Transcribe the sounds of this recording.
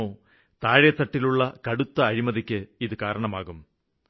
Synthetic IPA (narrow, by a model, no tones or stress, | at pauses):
oː | t̪aːɻet̪ːɐʈːiluɭːɐkɐɽut̪ːɐːɻimɐðikʲːɨiðɨkaːɾɐɳɐmaːɣum